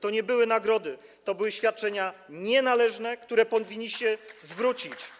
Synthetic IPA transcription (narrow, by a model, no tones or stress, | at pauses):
t̪ɔɲɛbɘwɘnaɡɾɔd̪ɘ | t̪ɔbɘwɘɕfʲjat̪̚t͡ʂɛɲaɲɛnalɛʐnɛkt̪uɾɛpɔvʲiɲːiɕt͡ɕɛzvɾut͡ɕit͡ɕ